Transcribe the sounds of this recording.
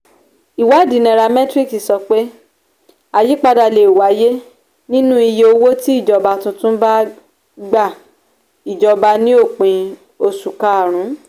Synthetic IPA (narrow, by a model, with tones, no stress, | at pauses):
i˨wa˨˦˨dĩ˨˦nɛ̃˨˧ɾa˧mɛ˦tɾi˦˨ksi˨sɔ˧k͡pe˦ | a˧ji˦k͡pa˧da˧˨le˨wa˨˦je˦ | nĩ˦nũ˦i˧je˧o˧wo˦ti˦i˦˨d͡ʒɔ˨ba˧tũ˧tũ˦ba˦ | ɡ͡ba˦˨ | i˨d͡ʒɔ˨ba˧nĩ˦o˦˨k͡pĩ˧ | o˧su˨ka˨a˨ɾ̃ũ˨˦